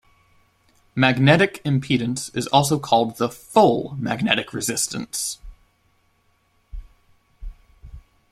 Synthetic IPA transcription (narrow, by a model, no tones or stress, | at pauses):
mæɡ̚nɛɾɨkʰɨ̃mpʰidⁿn̩sɨzɔlˠs̬oʊkʰɔlˠd̪̚ðəfʊlˠmæ̰ɡ̚nɛɾɨkʰɹɨzɪstɨ̃n̩s